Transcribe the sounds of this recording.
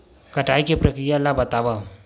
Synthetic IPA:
kɐʈaːikepɾɐkɾijalːabɐt̪aʋa

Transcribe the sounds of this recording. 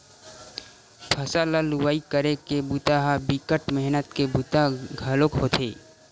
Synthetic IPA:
pʰəsalaluwaːikəɾekebut̪aɦabikəʈmɛɦnət̪kebut̪aɡʱəlokɦot̪ʰeː

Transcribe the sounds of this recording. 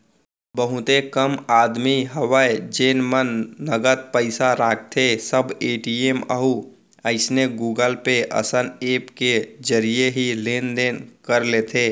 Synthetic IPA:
bəɦʊt̪ekəmaːd̪miɦəwəjd͡ʒeːnmənːəɡət̪̚pəɪsaɾaːk̚ʰt̪ʰesəbeːʈieːmə̰ɦu | əɪsneɡuːɡəlpeʔə̰səneːpked͡ʒəɾijeɦileːnd̪eːnkəɾlet̪ʰeː

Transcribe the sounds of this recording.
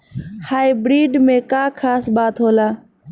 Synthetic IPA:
haːibɾiːɖmẽːkaːkʰaːsbaːt̪ɦoːlaː

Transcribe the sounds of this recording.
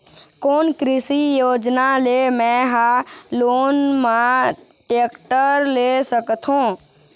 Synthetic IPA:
koːnkɾɪsijoːd͡ʒnalemɛ̃ɦaloːnmã | ʈeːkʈəɾlesəkt̪ʰɦõː

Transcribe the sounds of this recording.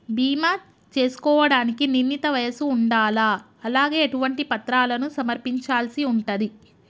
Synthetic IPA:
biːmaː | t͡ʃe̞ːsu̥kɔːʋɐɽaːnikininːit̪ɐʋɐjɐsuːɳɖaːlaː | ɐlaːɡe̞ːʈuʋɐɳʈipɐt̪ɾaːlɐnusɐmɐɾpiɲt͡ʃaːlsiuɳʈɐd̪i

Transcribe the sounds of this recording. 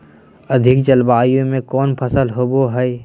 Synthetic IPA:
əd̪ʱɪkd͡ʒəlbaːjõmẽkɔːnpʰəsəlɦoboɦɛe

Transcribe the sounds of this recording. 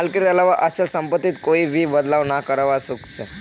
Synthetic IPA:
lkiɾəlaʋaʔəɕalsəmpət̪ːiːt̪koiːʋiːbəd̪laʋnakəɾaʋasukt͡se

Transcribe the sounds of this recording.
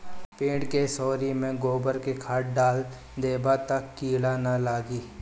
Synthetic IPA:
pẽːʈkesɔːɾimẽɡoːbəɾkekʰaːʈ̚ɖaːl | d̪eːbat̪əkːiːlanalaːɡiː

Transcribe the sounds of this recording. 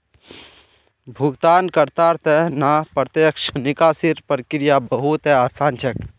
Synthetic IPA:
bʱuɡt̪ankəɾt̪aɾt̪ɛɦnapɾət̪jekʃnikasiɾpɾəkɾijabəɦut̪ɦɛasant͡ʃʰək

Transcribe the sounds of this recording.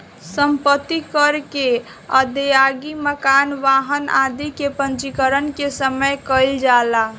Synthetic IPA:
səmpət̪ːikəɾke | ə̰d̪ejaɡiməkanʋaɦənad̪ikepə̃nt͡ʃikəɾənkesəməjkəɪld͡ʒala

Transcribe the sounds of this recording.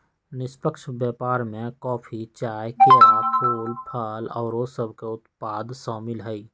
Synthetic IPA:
nɪspəkʃbɛːpaːɾmẽkɔːpʰit͡ʃaːjkenapʰuːlpʰaːlɔːɾosəbʱkeʊt̪paːd̪sɔːmɪlɦɛi

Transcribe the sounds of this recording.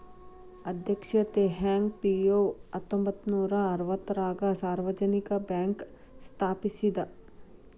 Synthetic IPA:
ɐd̪ʱjɐkʃɐt̪eɦɛːŋɡ̚pioːɐt̪õmbət̪nuːɾaɐɾʋət̪ɾaːɡasaːɾʋəd͡ʒənikabɛːŋk | st̪ʰaːpisid̪a

